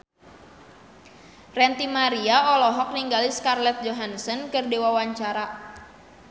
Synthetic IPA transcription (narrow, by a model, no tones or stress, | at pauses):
rɛnt̪imaɾiaɔlɔɦɔk̚niŋɡaliskarlɛt̪̚d͡ʒoɦansənkərdewawaɲt͡ʃaɾa